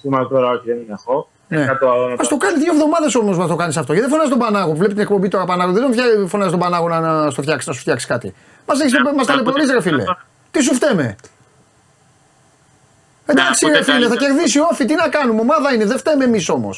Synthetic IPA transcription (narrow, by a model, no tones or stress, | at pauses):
imɐt̪oɾɐoçiðeninexo | neɐt̪oɐlonɐmɐst̪o̞kɐniðʝoevðo̞mɐðeso̞mosmɐst̪o̞kɐnisɐft̪o̞ceðefo̞nɐzist̪obɐnɐɣouvlepit̪inekpo̞mbit̪o̞ɾɐpɐnɐɣoðed̪ofɐfo̞nɐzist̪obɐnɐɣo̞nɐnɐst̪ofçɐksi̥snɐsu̥ft̪çɐksi̥skɐt̪ḭ | mɐs̬eçismɐst̪ɐlepeoɾisɾefilḛ | t̪is̬uft̪eme̞̰ | ed̪ɐksiɾefileθɐce̞ɾðisio̞θit̪inɐkɐnumeomɐðɐineðeft̪emeːmiso̞mo̞̰s